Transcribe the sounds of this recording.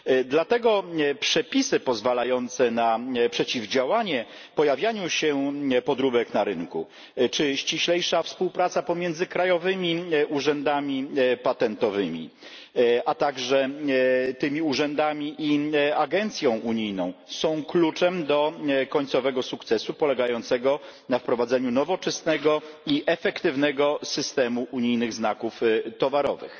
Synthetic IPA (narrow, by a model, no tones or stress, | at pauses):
d̪lat̪ɛɡɔpʂɛpʲisɘpɔzvalajɔnt̪sɛnapʂɛt͡ɕivd͡ʑawaɲɛ | pɔjavʲjaɲuɕɛpɔd̪ɾubɛknaɾɘŋku | t͡ʂɘɕt͡ɕiɕlɛjʂafspuwpɾat̪sapɔmʲjɛnd̪zɘkɾajɔvɘmʲiʔuʐɛnd̪amʲipat̪ɛnt̪ɔvɘmʲḭ | at̪aɡʐɛ | t̪ɘmʲiuʐɛnd̪amʲiʔiaɡɛnt̪sʲjɔ̃w̃ʔuɲijnɔ̃w̃sɔ̃w̃klut͡ʂɛmd̪ɔkɔɲt̪sɔvɛɡɔsukt̪sɛsupɔlɛɡajɔnt̪sɛɡɔnafpɾɔvad̪zɛɲunɔvɔt͡ʂɛsnɛɡɔiʔɛfɛkt̪ɘvnɛɡɔsɘst̪ɛmuʔuɲijnɘɣznakuft̪ɔvaɾɔ̰vɘ̰x